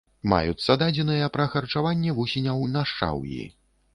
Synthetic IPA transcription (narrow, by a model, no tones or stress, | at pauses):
ma̰jusɐd̪ad͡zʲɛnɨjɐpɾɐxɐrt͡ʂavanʲːɛvusʲinʲɐwnɐʂt͡ʂa̰wjḭ